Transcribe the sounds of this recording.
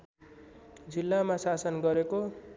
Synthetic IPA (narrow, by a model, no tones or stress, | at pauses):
d͡zilːamasasʌnɡʌɾeko